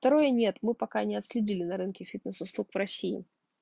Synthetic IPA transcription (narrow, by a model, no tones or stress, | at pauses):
ft̪ɐɾo̞jənʲe̞t̪mɨpɐkanʲɪɐt̪sʲlʲɪdʲilʲɪnɐɾɨnkʲɪfʲit̪nəsʊslˠukvɾɐsʲːiɪ̰